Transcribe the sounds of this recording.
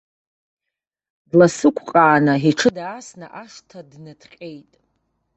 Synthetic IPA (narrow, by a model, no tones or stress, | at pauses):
dlasɨkʷʰqʼaːnaiʈ͡ʂʰɨdaːsnaʔaʂtʰadnɨtʰqʲʼejtʼ